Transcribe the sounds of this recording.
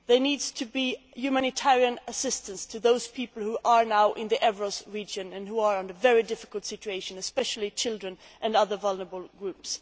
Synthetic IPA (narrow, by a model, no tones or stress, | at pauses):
ðə˞nidz̥tʰɨbijʉmænɨtʰɛɹiɨ̃nəsɪstə̃nstʰɨðoʊz̥pʰipl̩ˠhuʔə˞naʊʔɪ̃nðiʔɛvɹəsɹid͡ʒɨ̃nɨ̃nhuə˞ə̃nɨvɛɹidɪfɪ̥kəl̩ˠtsɪt͡ʃʉeɪʃɨ̃nɨspɛʃl̩ˠit͡ʃʰɪlˠdɹɨ̃n | ʔɨ̃nʌðə˞vʌlˠnə˞əbl̩ˠɡɹʉps